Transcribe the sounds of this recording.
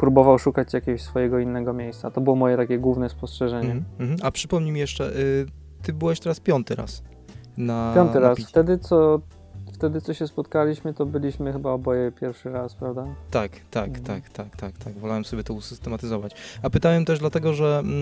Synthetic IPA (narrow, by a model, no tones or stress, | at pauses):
pɾubɔvawʂukat͡ɕjakʲɛɡɔɕsfɔjɛɡɔinːɛɡɔmʲejst̪sat̪ɔbɘwɔmɔjɛt̪akʲɛɡwuvnɛspɔstʂɛʐɛɲɲɛɦm̩apʂɘpɔmɲimʲijɛʂt͡ʂɛʔ | t̪ɘbɘwɛɕt̪ɛɾaspʲjɔnt̪ɘɾa̰s | napjɔnt̪ɨɾasft̪ɛd̪ɘt̪sɔ | ft̪ɛd̪ɘt̪sɔɕɛspɔt̪kalʲiɕmɘt̪ɔbɘlʲiɕmɘxɘbaɔbɔjɛpʲjɛɾfʂɘɾaspɾavd̪at̪akt̪akt̪akt̪akt̪akt̪aɡvɔlawɛmsɔbʲɛt̪ɔusɘst̪ɛmat̪ɘzɔvat͡ɕapɘt̪awɛmt̪ɛʐd̪lat̪ɛɡɔʐɛ